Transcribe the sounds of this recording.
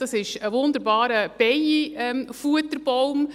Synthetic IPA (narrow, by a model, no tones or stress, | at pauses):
d̥ɑsɪʃəʋʊnd̪əɾbɑːɾəb̥ɛjiɛmfuət̪əɾb̥owm